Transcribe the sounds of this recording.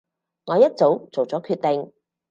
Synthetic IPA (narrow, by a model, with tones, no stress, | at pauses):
ŋɔː˨˧˦jɐ˥t̚t͡so˨˥wt͡so˨˩wt͡sɔː˨˥kʰyː˧t̚t̪e˨ŋ